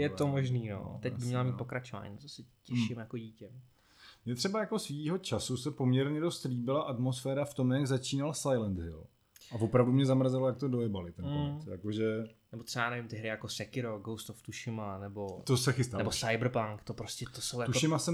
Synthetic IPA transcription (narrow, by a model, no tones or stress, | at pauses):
jɛt̪omoʒniːno̰t̪ɛɟbɪmɲɛlamit̪pokɾat͡ʃova̰ːɲḭt̪osɛcɛʃɪmjakoɟiːcɛ | mɲɛt̪r̥ɛbajako̞sviːɦo̞t͡ʃasusɛpo̞mɲɛɾɲɛdost̪liːbɪlaʔat̪mo̞sfɛːɾaft̪o̞mjaɡzat͡ʃiːnalsajlɛnd̪ɦɪ̰l | ʔavo̞pɾavdumɲɛzamɾazɛlojak̚t̪odojɛbalɪt̪ɛnosja̰ko̞ʒɛnɛbot̪sɛbaːnɛvɪmt̪ɪɦɾɪjakosɛkɪɾoɡowst̪oft̪uʃɪmanɛbot̪osɛxɪst̪anɛbosajbr̩paŋkt̪opɾoscɛt̪osowjat̪uʃɪmasɛ